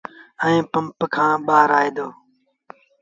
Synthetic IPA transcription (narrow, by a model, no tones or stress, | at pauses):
ə̃ĩːpəmpkʰãːɓaːɾaːeːd̪oː